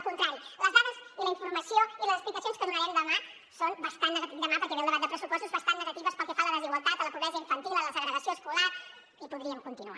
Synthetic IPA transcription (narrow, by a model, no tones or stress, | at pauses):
kunt̪ɾaɾiləzðaðəziləiɱfuɾmɐsjoiləzəksplik̪əsionskənonaɛmd̪əma | sonbəst̪annːəɣɐt̪izðəmapəɾkɛβɛlˠd̪əβat̪d̪əpɾəsupɔst̪uzβɐst̪annəɣɐt̪iβəspəlˠkɛfaləðəziɣwalˠt̪at̪ələpuβɾɛziəiɱfənt̪ilələsəɣɾəɣəsjoəskulaɾ | ipuðɾiəmkunt̪inua̰